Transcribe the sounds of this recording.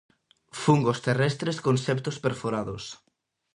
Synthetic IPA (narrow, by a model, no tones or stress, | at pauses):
fuŋɡost̪erɛst̪ɾeskonsɛpt̪ospeɾfoɾaðʊs